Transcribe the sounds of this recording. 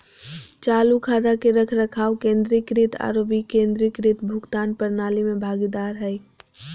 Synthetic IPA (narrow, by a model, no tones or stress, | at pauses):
t͡ʃaːlukʰaːd̪akeɾəkʰɾɐkʰaːwkẽːnd̪ɾikɾit̪ʰa̰ːɾoːbikẽːnd̪ɾikɾit̪bʱʊɡt̪aːnpəɾnaːlimẽbʱaːɡid̪aːɾɦɛi